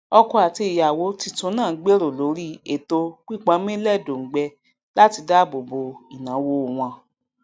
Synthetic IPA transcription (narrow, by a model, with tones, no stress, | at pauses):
ɔ˧kɔ˧a˨ti˧i˨ja˨wo˨˦ti˧˦tũ˧˦nãː˦˨˦ɡ͡be˦ɾo˨lo˨˦ɾi˦e˦˨to˧k͡pi˦˨k͡pã˨˧˦mĩ˦lɛ˦˨do˨ŋ̩˨ɡ͡bɛ˧ | la˦ti˧da˦˨bo˨bo˨˧i˨nã˨˦wo˧˦˨w̃ɔ̃˧